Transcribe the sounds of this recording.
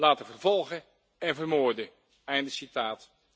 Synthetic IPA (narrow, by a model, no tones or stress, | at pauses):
laːtəvəɹvɔlˠχə | ɛnvərmoːɹdə | ɛjndəsitaːt